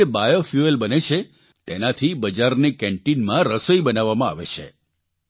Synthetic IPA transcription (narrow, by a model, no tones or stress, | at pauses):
ebajofjuelbənet͡ʃʰe | t̪enat̪ʰibəd͡ʒaɾnekɛ̃ɳʈinmãɾəsəibənaʋamãa̰ʋḛt͡ʃʰḛ